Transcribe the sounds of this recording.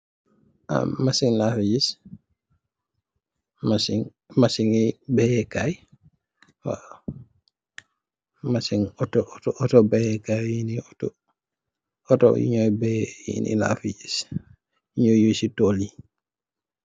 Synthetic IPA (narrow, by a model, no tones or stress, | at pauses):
ʔa̰masiŋlafid͡ʒis | masiŋ | masiŋibɛjɛkaj | wa̰ | masiŋɔtɔtɔɔtɔbɛjɛkajjiniɔtɔ | ɔtɔ̰ḭɲɔjbɛjḭnḭla̰fiɟis | iɲojjusitoli